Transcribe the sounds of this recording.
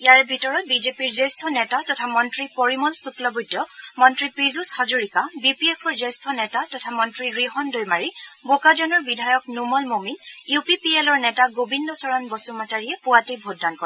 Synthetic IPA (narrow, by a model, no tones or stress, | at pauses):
ijaɹbʱitɔɹɔt̚bizepiɹzestʰɔnɛtatɔtʰamɔntɹipɔɹimɔlsuklɔbudɔmɔntɹipɹizushazuɹikabipiɛpʰɔɹzejstʰɔnɛtatɔtʰamɔntɹiɹiɦɔndojmaɹibokad͡ʒɔnɔɹbidʱajɔknumɔlmominjupipielɔɹnɛtaɡobindɔsɔɹanbɔsumataɹijɛpʊatibʱoddankɔɹ